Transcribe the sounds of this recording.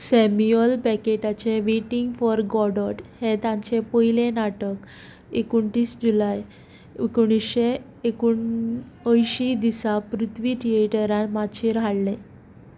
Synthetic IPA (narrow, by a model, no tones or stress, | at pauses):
sɛmiəlpɛkeʈat͡ɕeʋeʈiŋɡfɔɾɡɔɽəʈhet̪ãɲt͡ɕepəilenaʈək | ekuɳʈiːsd͡ʑulaj | kuɽ̃isɕe | ekuɳ | əjɕid̪isapɾut̪ʰʋiʈ̪ʰieʈəɾãmaɕeɾaɽle